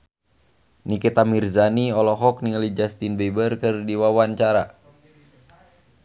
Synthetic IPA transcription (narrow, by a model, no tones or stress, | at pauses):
nikit̪amirzaniɔlɔɦɔk̚niŋəlid͡ʒast̪inbɛbərkɨrdiwawaɲt͡ʃaɾa